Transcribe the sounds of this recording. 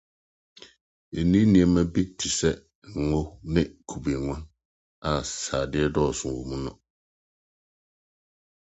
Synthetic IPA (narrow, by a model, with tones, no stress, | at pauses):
e˨nĩ˦nĩ˨ɛ̃˨mã˦bi˦tʰi˨sɛ˦˨ | ŋo˦nɪ̃˦kʰu˨be˨ŋʷã˦n | a˨saː˨dɪ˦ɛ˦dɔ˦˨ɔ˨sʊ̃˨wo˨mũ˦nʊ̃˦